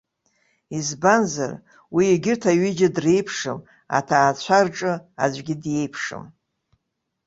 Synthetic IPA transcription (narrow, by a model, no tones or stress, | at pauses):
izbanza̰r | wiːɡʲɪrtʰaɥɪd͡ʒadrejpʰʂɨm | a̰tʰaːt͡ɕʷʰarʈ͡ʂʼɨa̰d͡ʒʷɡʲɪdje̞jpʰʂɨ̰m